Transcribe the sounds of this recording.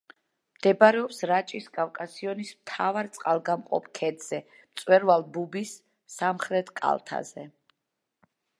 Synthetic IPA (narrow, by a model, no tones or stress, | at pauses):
md̪̥ɛbaɾɛɔpsɾat͡ʃʼiskʼafkʼasiɔnismt̪ʰavaɾt̪sʼqʼalˠɡamqʼɔ̰pʰkʰɛd̪z̥ɛ | mt̪sʼwɛɾvalˠbubisː | amχɾɛt̪ʰkʼa̰lˠt̪ʰa̰zɛ